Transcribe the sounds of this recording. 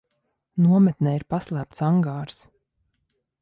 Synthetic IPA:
nuɔmɛt̪̚nɛːiɾpaslˠæːp̚t̪saŋɡaːɾs

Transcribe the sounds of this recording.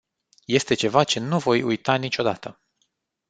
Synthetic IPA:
je̞st̪e̞t͡ʃe̞vat͡ʃe̞nuvo̞jujt̪anit͡ʃʲo̞d̪at̪ə

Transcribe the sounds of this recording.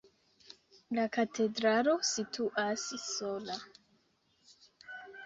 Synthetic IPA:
lakatʰe̞dɾalo̞sitʰuʔasːo̞la

